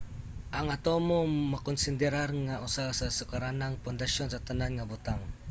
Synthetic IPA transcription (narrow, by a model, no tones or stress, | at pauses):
ʔaŋat̪omomakɔnsɪnd̪ɛɾarŋaʔʊsasasʊkaɾanaŋpʊnd̪aʃonsat̪ananŋabʊt̪aŋ